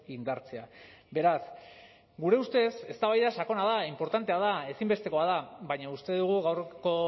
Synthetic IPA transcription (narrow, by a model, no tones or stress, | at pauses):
ind̪aɾt͡se̞abe̞ɾas | ɡuɾe̞ust̪e̞se̞st̪aβajðasako̞naðaimpo̞ɾt̪ant̪e̞aðae̞simbe̞st̪e̞ko̞aðaβajɲaust̪e̞ðuɣ̞uɣawrko̞